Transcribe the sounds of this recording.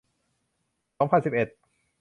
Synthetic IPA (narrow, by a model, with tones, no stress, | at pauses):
sɔː˦ŋpʰa˧˨nsi˨˩p̚ʔe˨˩t̪̚